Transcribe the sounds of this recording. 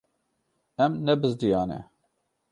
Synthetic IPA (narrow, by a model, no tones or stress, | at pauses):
ɛmnɛbɨzd̪ijɑːnɛ̰